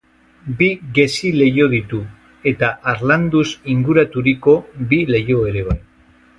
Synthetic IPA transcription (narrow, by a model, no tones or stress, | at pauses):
biɣe̞sile̞jo̞ðit̪u | e̞t̪aʔaɾland̪usiŋɡuɾat̪uɾiko̞bile̞jo̞e̞ɾe̞β̞aj